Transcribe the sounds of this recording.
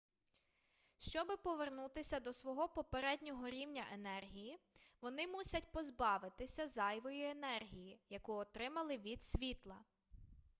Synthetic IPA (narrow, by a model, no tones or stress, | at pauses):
ʃt͡ʃɔbɪpɔʋernut̪ɪsʲɐd̪ɔsʋɔɦɔpɔpeɾɛdʲnʲɔɦɔɾʲiwnʲɐʔenɛrɦʲijiʋɔnɪmusʲɐtʲpɔzbɑʋɪt̪ɪsʲɐzɑjʋɔjʊenɛrɦʲijijɐkuɔt̪ɾɪmɐlˠɪʋʲid̪sʲʋʲit̪lˠɐ